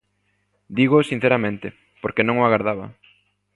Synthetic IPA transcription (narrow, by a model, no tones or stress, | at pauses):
d̪iɣosin̟θeɾamẽnt̪ɪ | poɾkenõŋoaɣaɾðaβɐ̰